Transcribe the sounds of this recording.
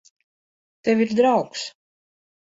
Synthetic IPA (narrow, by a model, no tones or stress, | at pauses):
t̪evʲiɾd̪ɾawks